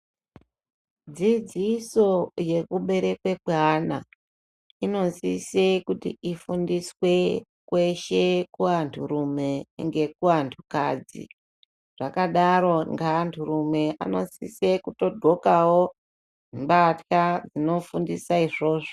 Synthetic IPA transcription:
d͡zid͡ziso̞je̞kuɓe̞ɾe̞kwekweana | ino̞nsisekutḭʔifundiswe̞ | kwe̞ʃe̞kuantʰuɾume̞ŋɡe̞kuantʰukaːd͡zḭ | ʐ̥akaɗaɾo̞ŋɡaːntʰuɾume̞a̰no̞sisekuto̞dʱo̞kawo | imbatxad͡zino̞fundisaiʐo̞ːʐo

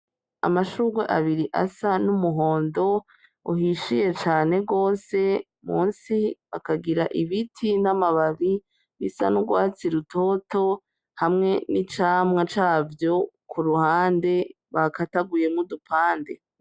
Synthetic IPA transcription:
a̰maʃuːɡweʔaβiɾiʔa̰sanumuɦo̞ːndo̞ | uɦiʃije̞t͡ʃaːne̞ɡo̞ːse̞ | muːnsiβa̰kaɡiɾaʔiβitʰinamaβaɾi | βisa̰nuɡwaːt͡siɾutʰo̞to̞ | hamŋe̞nit͡ʃaːmŋat͡ʃaːvjo̞kʰuɾuhaːnde̞ | βakataɡuje̞mudupʰaːnde̞

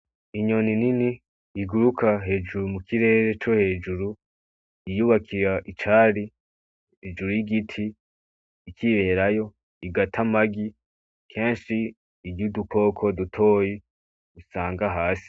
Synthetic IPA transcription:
iɲo̞nininiː | ɡuɾukʰaɦe̞ːd͡ʒuɾumukʰiɾe̞ːɾe̞t͡ʃo̞he̞ːd͡ʒuɾu | ijuβakʰiɾaʔit͡ʃaːɾi | eːd͡ʒuɾujiɡitʰiː | kʰiβe̞ːɾajo̞ | iɡatʰamaɡi | kʰe̞ːnʃiː | ɟudukʰo̞ːkʰo̞dutʰo̞ːji | usaːŋɡaɦaːsi̥

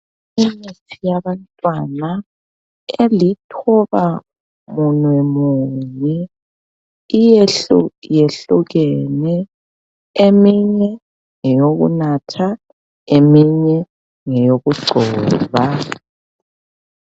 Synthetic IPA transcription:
initʰijaβantʼwana | elitʰɔβa | munwɛmuːɲɛ | ijeɬujeɬuɣenɛ | emiɲɛ | ŋɛjoɣṵnatʰa | emiɲɛ | ŋɛjoɣuɡ͡ǀʱɔːβa

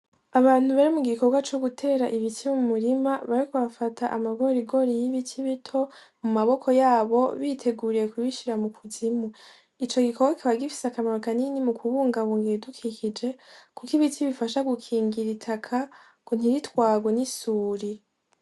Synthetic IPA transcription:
aβaːn̥uβaɾimuɡikʰo̞ɡwat͡ʃo̞ɡutʰe̞ːɾaʔiβitʰimumuɾimaβaɾikuβafatʰaʔamaɡoɾiɡo̞ɾijiβitʰiβitʰo̞ | mumaβo̞kʰo̞jaːβo̞̰βitʰe̞ɡuːɾiɾe̞kuβiʃiɾamukʰuzimu | it͡ʃoɡikʰo̞ɡwakʰiβaɡifi̥seakamaɾokaninimukʰuβuːŋɡaβuːŋɡeedukʰikid͡ʒe̞kukiβitiβifaʃaɡukʰiːŋɡiɾitʰakʰa | kon̥iɾitwaːɡwenisuːɾi

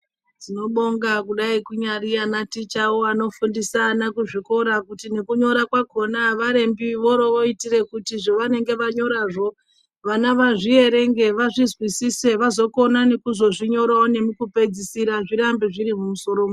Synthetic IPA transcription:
d͡zino̞ɓo̞ŋɡakuɗaikuɲarianatit͡ʃaoano̞fundisaːnakuʐiko̞ɾakutine̞kuɲo̞ɾakwako̞naʋaɾe̞mbiʋo̞ɾoʋoitire̞kutiʐo̞ʋane̞ŋɡe̞ʋaɲo̞ɾaʐo̞ | ʋanaʋaʐie̞ɾe̞ŋɡe̞ʋaʐizwisise̞ʋazo̞ko̞nane̞kuzo̞ʐiɲo̞ɾaone̞mukupe̞d͡zisiɾaʐiɾambiʐiɾimumuso̞ɾoːmu

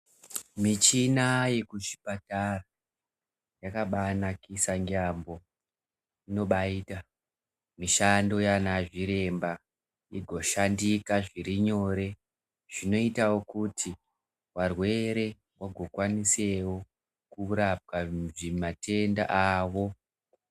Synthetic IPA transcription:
mit͡ʃinaje̞kuʃi̥patara | jakaɓanakisaŋɡaːmbo̞ | ino̞ɓaiːta | miʃando̞janaʐiɾe̞mba | iɡʱo̞ʃandikaʐiɾiɲo̞ɾe̞ | ʐ̥ino̞itawo̞kutʰi | warwe̞ɾe̞ | waɡʱo̞kwanise̞wo̞ | kuɾap̚kaʐimate̞nda̰ʔaʋo̞

